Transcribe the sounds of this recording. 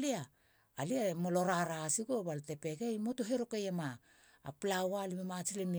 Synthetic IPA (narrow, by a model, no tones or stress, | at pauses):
liaː | liamo̞lo̞ɾaɾasiɡobalte̞pe̞ɡejmo̞to̞ɦe̞ɾo̞kejama̰ː | plawalimemat͡ʃilemi